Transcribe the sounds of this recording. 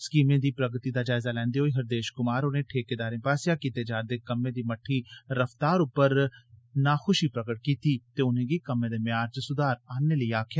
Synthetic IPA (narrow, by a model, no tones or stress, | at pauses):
skiːmẽːd̪iːpɾəɡt̪iːd̪aːd͡ʒaːɪzaːlɛ̃ːnd̪eɦoːiːɦəɾd̪eːʃkʊmaːɾonẽːʈʰeːkeːd̪aːɾẽːpaːsɪjaːkiːt̪eːd͡ʒaːɾd̪eːkəmːẽːd̪iːməʈʰːiːɾəft̪aːɾʊpəɾnaːxʰʊʃiːpɾəkəʈ̚kiːt̪iːt̪eːʊnẽːɡiːkəmːẽːd̪eːmɪjaːɾt͡ʃəsʊd̪aːɾaːneːləiaːkʰjaː